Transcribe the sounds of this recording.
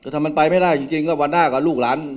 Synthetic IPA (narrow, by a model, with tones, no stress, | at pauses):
kːt̪ʰaː˧ma˧npa˧jma˥˩da˥˩jt͡ɕi˧ŋt͡ɕi˧ŋkɔː˥˩wa˧nːaː˥˩kɔː˥˩luː˥˩k̚laː˨˦˥n